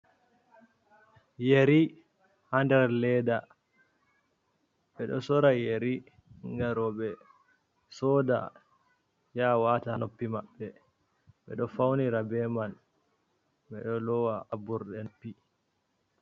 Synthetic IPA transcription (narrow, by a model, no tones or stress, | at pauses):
jeɾi | handɛɾlɛda | ɓɛɗɔ̰sɔɾajeɾi | ŋɡaɾɔɓɛ | sɔda̰ | jawatanopːimaɓːɛ | ɓɛ̰ɗɔfawniɾabɛman | ɓɛɗɔlɔwaʔabuɾɗɛnpi